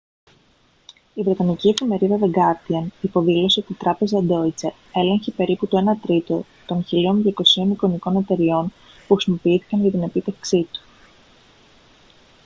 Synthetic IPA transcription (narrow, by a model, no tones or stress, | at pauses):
ivɾe̞t̪ɐnicie̞fime̞ɾiðɐðeɡɐɾt̪iɐnipo̞ðilo̞seot̪it̪ɾɐpe̞zɐd̪o̞it͡se | e̞le̞ɲçepe̞ɾiput̪oe̞nɐt̪ɾit̪o̞ | t̪o̞nçilio̞nðʝjɐko̞sio̞niko̞niko̞ne̞t̪e̞ɾio̞n | puxɾisimo̞piiθi̥kɐnʝɐt̪ine̞pit̪efksit̪u̥